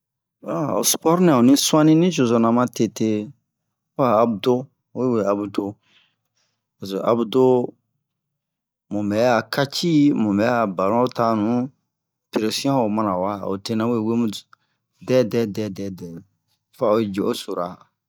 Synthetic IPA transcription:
wa˨o̰˨spɔ˦ɾnɛ̃˨o˨nĩ˦sũ˦ã˦nĩ˦nĩ˦d͡ʒo˨zo˨nã˨mã˦te˦˨te˦ | aː˨bu˨do˦ | e˦we˨a˨bu˨do˦ | o˨zo˨a˨bu˦do˦ | mũ˨mbɛ˨ja˨ka˦t͡ʃi˦mũ˨mbɛ˨˦a˨ba˨ɾɔ̃˦ta˦nũ˨ | pe˨ɾe˨sĩ˦ã˦o˨mã˨nã˨wa˦o̰˨te˦nã˦we˦˨we˦mu˦ | dɛ˦dɛ˦dɛ˦dɛ˦dɛ˨ | fa˨o˦˨d͡ʒe˨ʔo˦so˨ɾa˨

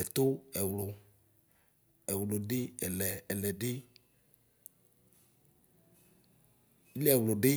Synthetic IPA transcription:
e˨t̪o˦ɛ˨wlo˨ | e˨wlo˨ɖe˦e˨lɛ˨lɛ˨ɖe˦ | li˦ɛ˨wlo˨ɖɪ˦

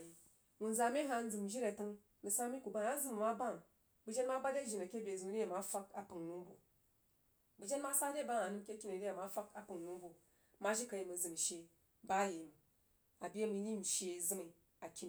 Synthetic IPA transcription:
i˨ | ŋu˨n˦za˨mi˦ɦa˧n̩˦d͡zɨ˨m˨ʒi˦ɾe˨tɨ˦ŋ | mi˨sa˦mi˦ku˨ba˦ŋa˦zɨ˦m˨ma˦ba˦˨ŋ | bɨ˨d͡ʒe˦nma˦ba˦de˦˨ʒi˨na˨kʲe˦bʲe˨zɨ˨m˨ɾi˦a˨ma˦fa˦ka˨pɨ˨ŋnu˦m˦bu˨ | bɨ˨d͡ʒe˦nma˦sa˦de˦ba˦ŋa˨nɨ˦m˦kʲe˦kʲi˦ne˨di˦a˨ma˦fa˦ka˨pɨ˨ŋ˨nu˦m˦bu˨ | ma˦ʒi˦ka˨˧ji˨mi˨zɨ˨m˨ʃe˨ | ba˦ji˨m˨ | a˨bi˦e˦mi˨˦ni˦m̩˨ʃe˦˨zɨ˦mi˨ | a˨kʲi˦n˨

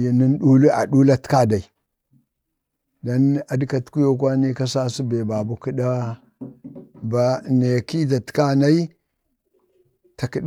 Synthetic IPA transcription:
jni˦n˦ɗu˦lu˦a̰˨ɗu˦la˦tka˦da˨i˨ | da˦na˨di˦ka˨tku˦jo˦k̬ʷa˦ni˦ka˦sa˦si˦be˨ba˨bu˦ki˦ɗa˦ | ba˨ne˨ki˦ta˨ti̥˨ka˦na˦i˦ | ta˨ki˦ɗ

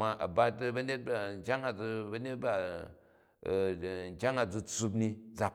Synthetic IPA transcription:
ma˨ʔa̰˨ba˧tbɐ˦ne˦t̚ba˦˨ŋ̩˨kʲa˦ŋa˨d͡zu˧bɐ˦ne˦t̚ba˨ | ŋ̩˨kʲa˦ŋa˨d͡zu˧t͡su˧b̬ni˦d͡za˨

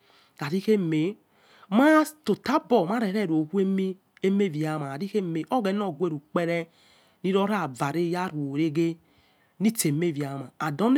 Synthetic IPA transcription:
a˨ɾi˦ke˦me˨ | ma˦to˨ta˦bɔ˨ma˦ɾe˨ɾɛ˦˨ɾo˨hu˦e˦mi˦ | e˦me˦˨vi˨a˨ma˨a˨ɾi˦ke˦me˨ʔo˦ɡɛ˨˦n˦o˦˨ɡʷe˦˨ɾu˨k͡pe˦ɾɛ˦ | ni˦ɾɔ˦ɾa˦˨va˨ɾe˦ja˦ɾu˨o˨ɾe˦ɡe˦ | ni˦te˨me˦˨vi˨a˨ma˨a˨dɔ˦n˦

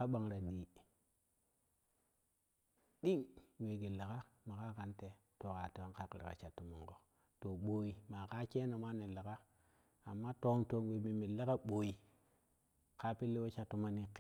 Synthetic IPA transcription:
ka˦ɓa˨ŋɾa˨ɗi˨ | ɗi˦ŋwe˨ɡe˨la˨ka˦ma˨ka˦ka˦nte˨to˨ka˨te˨wa˦ŋka˦klḛ˨ka̰˨t͡ʃa˨tːu˨mo˨ŋko˨ | to˨ɓo˨ji˨ma˨ka˦t͡ʃe˦na˨ma˦ne˨la˨ka˦ | a˨mːa˦to˦ŋto˨ŋwe˨mi˨mi˨la˦ka˦ɓo˨ji˨ | ka˦pi˦lːe˦wo˦t͡ʃa˨tːu˦ma˦ni˦k

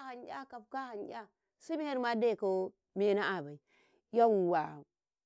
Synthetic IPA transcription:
ha˨njʲa˦ka˨bka˦ha˨n˦jʲa˦ | si˦mi˦he˦ɾma˦da˦˨ko˦ | me˦na˦a˨ba˨i˨ | ja˦wwa˨

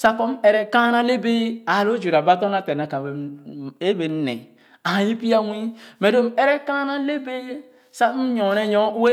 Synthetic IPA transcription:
sa˦ko˦m˦e˦ɾe˦ka˦na˦le˦be˦a˨lo˦d͡ʒu˨ɾa˨ba˦to˦na˦te˨na˨ka˨e˦be˨n̩˦nḛ˨ | a˨ji˦pi˦ja˦wʷi˦me˨do˦m˦e˦ɾe˦ka˦na˦le˦be˦ | sa˦m̩˦ɲo˨ne˦ɲo˦we˦

